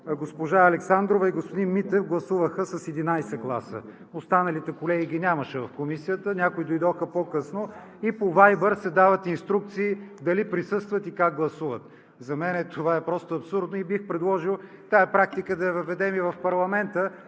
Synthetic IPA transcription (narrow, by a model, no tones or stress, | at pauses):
ɡospoʒaɐlɛksand̪ɾovɐiɡospod̪inmit̪ɛfɡlˠɐsuvəxəsɐsɛd̪inajsɛɡlˠa̰sə̰ | ost̪anɐlit̪ɛkolɛɡiɡ̟inʲamɐʃɛvɐfkomisijət̪ənʲakoid̪ojd̪ɔxəpokɤsno | ipovajbəɾsɛd̪avət̪inst̪ɾuk̚t̪siːd̪ɐlipɾisɤst̪vɐt̪ikak̚ɡlˠɐsuvət̪ | zɐmɛnɛt̪ovaɛpɾɔst̪oɐpsuɾd̪noibixpɾɛd̪lˠɔʒilˠ | t̪aɛpɾak̚t̪ikəd̪ɐɐvɐvɛd̪ɛmivɐfpɐɾlˠɐmɛnt̪ə